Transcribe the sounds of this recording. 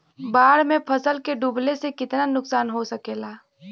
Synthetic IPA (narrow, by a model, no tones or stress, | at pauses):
baːɽmẽpʰəsəlkeɖuːblesekɪt̪nanʊksaːnɦosɐkeːlaː